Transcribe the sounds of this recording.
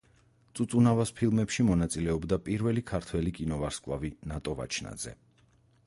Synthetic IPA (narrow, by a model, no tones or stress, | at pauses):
t̪sʼut̪sʼunavaspʰilˠmɛpʃimɔnat̪sʼilɛɔbd̪apʼiɾvɛlikʰaɾt̪ʰwɛlikʼinɔvaɾskʼlˠa̰vinat̪ʼɔva̰t͡ʃʰna̰d̪z̥ɛ̰